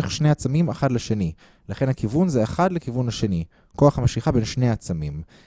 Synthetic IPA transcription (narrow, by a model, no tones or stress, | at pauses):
eχʃnejat͡samimaχadleʃeni | laχe̞nhakivunzeeχadlekivunhaʃe̞ni | ko̞aχhamaʃiχabe̞nʃneaat͡samim